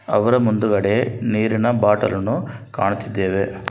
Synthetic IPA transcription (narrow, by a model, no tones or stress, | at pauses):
ɐʋɐɾɐmund̪uɡɐɽe̞niːɾinɐbaːʈɐ̰lɐnukaːɳut̪id̪ːeːʋe̞